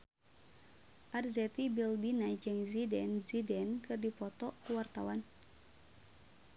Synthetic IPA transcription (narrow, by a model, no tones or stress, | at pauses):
ʔarzɛt̪ibilbinad͡ʒɨŋzidɛnzidɛnkɨrdipɔt̪ɔkuwart̪awan